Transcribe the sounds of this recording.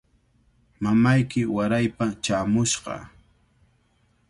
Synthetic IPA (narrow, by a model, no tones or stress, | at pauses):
mamajkɪwaɾajpat͡ʃaːmʊʃɢɑ̰